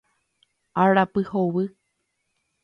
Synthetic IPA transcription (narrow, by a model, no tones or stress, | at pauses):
aɾapɨhowɨ